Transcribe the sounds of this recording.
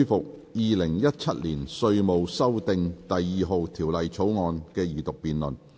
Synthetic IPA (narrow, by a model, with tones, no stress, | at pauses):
jfʊ˨k̚jiː˨˧lɪ˨˩ŋjɐ˥t̚t͡sʰɐ˥t̚liː˨˩nsɵ˧ɥmo˨wsɐ˥wt̪ɪ˨˧ŋt̪ɐ˨jːiː˨˧ɦo˨˧wt̪ʰiː˨˩wlɐ˨jt͡sʰo˨˥wŋɔː˨˧nkɛː˧jyː˨˩t̪ʊ˨k̚piː˨nlɵ˨n